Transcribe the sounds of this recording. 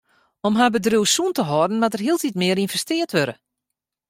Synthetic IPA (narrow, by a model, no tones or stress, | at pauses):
ɔmɦabədrywsuntəɦɔdən̩matərɦiəlˠtitmɪəɾinvɛstɪːərtʋøɾə